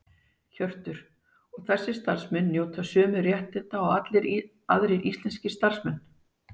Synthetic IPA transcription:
çœr̥t̪ʏɾ̥ | ɔɣθɛsːɪst̪aɾ̥smɛnːjoːwt̪ʰasʏːmʏrjɛht̪ɪt̪aɔɣat̪lɪɾ | a̰ðɾɪɾʔist̪lɛnscɪ̥st̪ar̥smɛnː

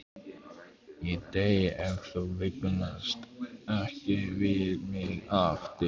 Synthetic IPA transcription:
it̪ejɛvθəvɪknast̪ɛhcɪvɪðmɪðaft̪ɪ

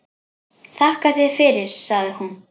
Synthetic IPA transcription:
θahkaθjɛð̥fɪɾɪɾ̥saɣðɪhun

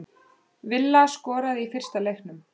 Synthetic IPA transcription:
vɪlːaskɔːɾaðifɪr̥st̪alejxnʏm

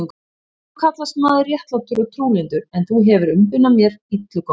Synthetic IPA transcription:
ŋk | kʰat̪last̪maːðrjɛht̪lɔwht̪ʏɾɔt̪ʰɾuːlɪnt̪ʏɾɛnθuɦɛvʏɾʏmpʏnːamjɛɾit̪ɪlk

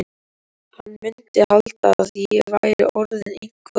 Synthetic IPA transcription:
hanːmʏnt̪ɪhalt̪aaθivajɾɪ̰ʔɔɾðɪniŋkvʏ

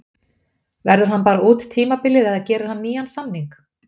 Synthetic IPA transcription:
vɛɾðʏɾ̥ɦanpaːɾaʔuːt̪t̪ʰiːmapɪlːɪðɛðacɛːɾʏɾ̥hanːiːjansamniŋk

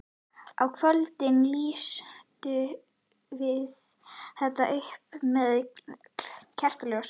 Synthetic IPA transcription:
a̰wkʰvœlt̪ɪnliːst̪ʏ | vɪð | θɛht̪aʔehpmɛðkcʰɛr̥t̪alɛːɣas

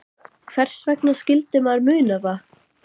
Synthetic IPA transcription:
kʰvɛr̥svɛknascɪlt̪ɪmaɾmʏːnava

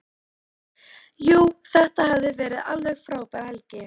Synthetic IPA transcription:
juːθɛht̪ahavðɪvɛːɾɪða̰lvɛɣfɾaːwpaɾɛlcɪ

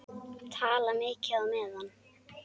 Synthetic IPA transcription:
t̪ʰaːlameːcɪawmɛðanː

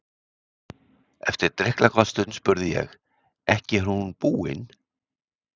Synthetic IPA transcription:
ɛft̪ɪɾ̥t̪ɾɛhklakʰvast̪ʏt̪n̥spʏɾðɪjɛ̰ɣ | ɛhcɪɾ̥hunpuːɪ̰n

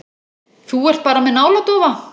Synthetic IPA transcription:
θuɛr̥t̪̚paːɾamɛðnaːwlat̪ɔːva

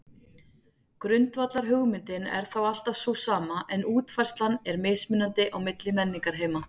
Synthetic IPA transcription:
kɾʏnt̪vat̪laɾ̥ɦʏɣmɪnt̪ɪnɛ̰ɾ̥θawal̥t̪avsvɔsaːmaʔɛnuːt̪fajr̥st̪lanɛɾmɪsmʏnːant̪ɪʔawmɪt̪lɪmɛnːiŋkaɾ̥ɦeːjma

